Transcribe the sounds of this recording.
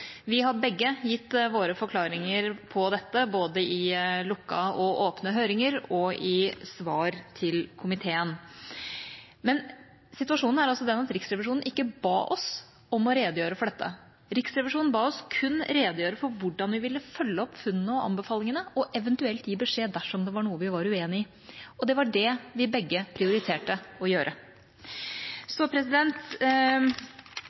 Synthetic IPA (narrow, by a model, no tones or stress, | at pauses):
ʋɪɦɑbɛɡːəjɪt̪ːʋoːɾəfɔɾkʰlɑːɾɪŋəɾpʰɔd̪ɛt̪ːəboːd̪əɪlʊkːɑ̰ɔʔoːpnəɦøːɾɪŋəɾɔɪsʋɑːɾt̪ʰɪlkʰʊmɪt̪ʰeːən | mɛn | sɪt̪ʉɑʂuːnn̩æɾɑlsɔd̪ɛnɑt̪ɾɪksɾɛʋɪʂuːnn̩ʔɪkːəbɑ̰ːʔɔ̰s | ɔmɔɾeːd̪əjøːɾəfɔɖɛt̪ʰːə̰ | ɾɪksɾɛʋɪʂuːnn̩bɑːɔskʰʉnɾeːd̪əjøːɾəfɔɾʋʊɖɑnʋɪʋɪlːəfœlːəɔpfʉnːnəɔʔɑ̰mbəfɑːlɪŋənəɔʔɛʋənt̪ʉɛlt̪jiːbəʂeːd̪æʂɔmd̪ɛʋɑɳuːəʋɪʋɑɾʉeːnɪ | ɔd̪ɛʋɑɖɛʋɪbɛɡːəpʰɾɪʊɾɪt̪ʰeːʈəɔjøːɾʔə | sɔpʰɾɛsɪd̪ɛnt̪